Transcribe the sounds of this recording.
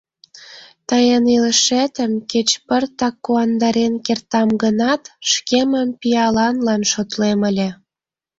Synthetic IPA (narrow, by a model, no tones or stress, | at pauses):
t̪əjəniləʃet̪əmket͡ɕpərt̪ɑkːuɑnd̪ɑɾenkert̪ɑmɡənɑt̪ʃkeməmpiɑlɑnlɑnʃot̪leməlʲĕ